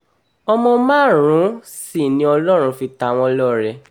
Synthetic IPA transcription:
ɔ˧mɔ̃˧mãː˦˨ɾ̃ũ˨˦ | si˦˨nĩ˧˦ɔ˧lɔ˦ɾ̃ũ˧fi˧ta˧w̃ɔ̃˧lɔ˦˨ɾɛ˧

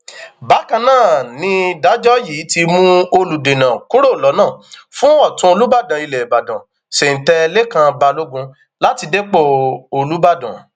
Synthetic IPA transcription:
ba˨˦kã˧nãː˦˨nĩ˧da˨˦d͡ʒɔ˦ji˨˦ti˧mũ˦o˧lu˨de˨nã˨ku˦ɾo˦˨lɔ˨˦nãː˦˨fũ˦ɔ˦˨tũ˧˦o˧lu˦ba˦˨dã˨i˧lɛ˨ba˨dã˨ | se˨n̩˨tɛ˧le˦kã˧ba˧lo˦ɡũ˧ | la˦ti˧de˦k͡po˦˨o˧lu˦ba˦˨dã̰˨

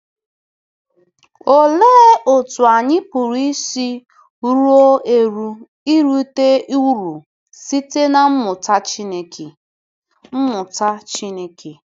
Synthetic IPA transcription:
o˨le˦o˨tu˨a˨ɲɪ˦pu˨ɾi˦si˦ | ɾu˦o˦e˨ɾu˦ | i˦ɾu˦te˦i˦wɾu˨ | si˦te˦na˨m̩˦mʊ˨ta˦t͡ʃi˦ne˨kʰe˨ | m̩˦mʊ˨ta˦t͡ʃi˦ne˦ke˨

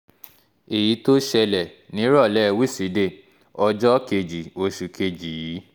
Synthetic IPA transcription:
e˨ji˨˦to˦ʃɛ˧lɛ˨nĩ˨˦ɾɔ˦˨lɛ˦˧wi˦˨si˨˦de˦˨ | ɔ˧d͡ʒɔ˦ke˧d͡ʒi˨o˧ʃu˨kʰe˧d͡ʒi˨ji˨˦

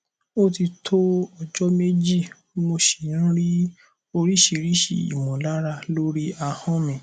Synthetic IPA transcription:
o˦ti˧tʰo˦ɔ˧d͡ʒɔ˦me˦d͡ʒi˦˨ | mo˧ʃĩ˨˦ɾi˦ | o˧ɾi˦ʃi˨˧˨ɾi˦ʃḭ˦˨ḭ˨mɔ̃˨la˦ɾa˧lo˦ɾi˦a˧hɔ̃˦mĩ˨

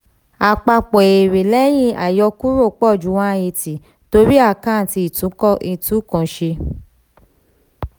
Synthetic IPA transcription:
a˨k͡pa˧k͡pɔ˨e˨ɾe˨lɛ˦j̃ĩ˧˦a̰˨jɔ˧˦ku˦ɾo˦˨k͡pɔ˦˨d͡ʒu˨˦wã˦˧e˧ti˨ | to˧ɾi˦a˦˨kã˦˨ti˧i˨tũ˨˦kɔ˦ʔi˧˨tu˨˦kɔ̃˨ʃe˧

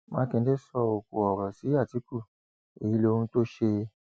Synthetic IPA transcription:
mãː˦kẽ˧˦de˦sɔ˧o˨ko˨ɔ˨ɾɔ˨si˨˦a˦˨ti˨˦ku˦˨ | e˨jĩ˨˦lo˧hũ˧to˦ʃe˧

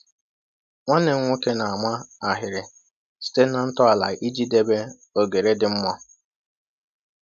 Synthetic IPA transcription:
ŋʷa˦ne˨˦ŋʷʊ˦ke˦na˨a˨mʷa˦a˨ɦɪ˨ɾɪ˨ | si̥˦te˦na˨n̩˦tɔ˦a˨la̰˨i˦d͡ʒi˦de˦be˦ | o˨ɡe˨ɾe˦dɪ˨m̩˦mʷɔ˦

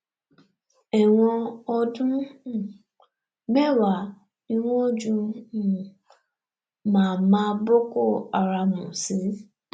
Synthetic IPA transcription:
ɛ˨wɔ̃˧ɔ˦dũ˦˨ | mɛ˦˨wa˨ | i˦wɔ̃˦d͡ʒũ˦˨ | mãː˨mãː˦bo˦ko˦˨a˨ɾa˨mṵ̃˨si˨˦

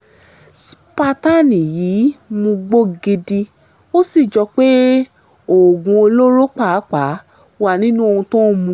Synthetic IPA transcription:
spa˧ta˦nĩ˨jiː˨˦mũ˧ɡ͡bo˦ɡi˧di˧ | o˦si˦˨d͡ʒɔ˧k͡pe˦ | o˨ɡũ˨˧o˧lo˦ɾo˦k͡pa˦˨˦k͡pa˨˦ | wa˧nĩ˦nũ˦o˧hũ˧tɔ̃˦mũ˧˦

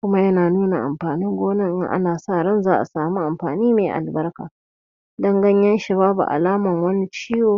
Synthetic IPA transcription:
kʷʊ˦ma˦jɐ˦naː˨nuː˦na˨ʔa̰˨mɸaː˨nɪ˦ŋɡʷoː˦nɪ˦˨ŋʔŋʔa̰˦naː˨sa˦˨ɽɐ˦˨nzaː˦ʔa̰˨saː˨muː˦ʔa˨mɸaː˨niː˦meː˨ʔa̰˨lbɐ˦rka̰ː˨ | dɐ˦ŋɡɐ˦ɲjɐ˦nʃɐ˨baː˦bṵ˨ʔa̰˨laː˦mɐ˨ŋwɐ˦ni˦t͡ʃiː˦joː˨

